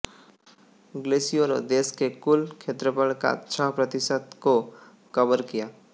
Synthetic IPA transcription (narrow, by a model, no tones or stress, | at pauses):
ɡlesijoɾod̪eːskekʊlkʰet̪ɾəpəlka̰tːʃʰaɦpɾət̪ɪsət̪ko | kəbəɾkijaː